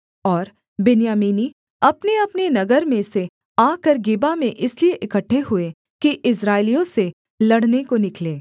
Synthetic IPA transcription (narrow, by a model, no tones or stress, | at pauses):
ɔːɾ | bɪnijaːmiːni | ɐpneɐpnenɐɡəɾmẽse | aːkəɾɡɪbamẽʔɪslieʔɪkəʈʰːeɦʊe | kiʔɪs̬ɾaːɪlijõse | lɐɽnekonɪkleː